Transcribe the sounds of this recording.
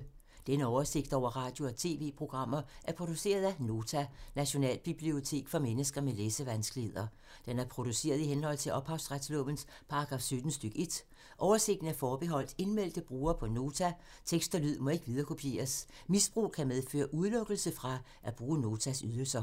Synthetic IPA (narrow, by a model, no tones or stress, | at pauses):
d̥enəɒʊɐse̝ɡ̥d̥ɒ̰ʊ̰ɐʁɑ̈ːd̥jo̝ɒ̽t͡sʰe̝ːʋe̝̰ːpʰʁo̝ɡ̥ʁɑ̈m̰ɐʔæɐpʰʁo̝d̥use̝̰ːɐð̞ˠæno̝ːt͡sʰænæɕo̝nɛ̰ːlb̥ib̥lio̝t͡sʰe̝̰ːɡ̥fɒ̽menəsɡ̥ɐmeleːsəʋænsɡ̥lihe̝ðˠɐ | d̥enæɐpʰʁo̝d̥use̝̰ːɐðˠiɦenhɒ̽l̰t͡sʰe̝lʔɒ̽b̥hɑ̈ʊsʁad̥slɔmn̩s | pʰɑ̈ɑ̈ɡ̥ʁɑ̈ːfsød̥n̩sd̥øɡ̥əe̝d̥ | ʔɒʊɐse̝ɡ̥̚d̥n̩æɐfɒːb̥eɦɒ̽l̰d̥e̝nmel̰d̥əb̥ʁuːɐpʰɒ̽no̝ːt͡sʰæ | t͡sʰeɡ̥sd̥ɐlyð̰ˠmɒ̽e̝ɡ̥əʋið̞ˠɐkʰo̝pʰje̝̰ːɐs | misb̥ʁṵːkʰæmeð̞ˠfø̰ːɐʔuðˠlɔ̽ɡ̥əl̩səfʁɑ̈ | ʔæb̥ʁuːno̝ːt͡sʰæsyðˠəlsɐ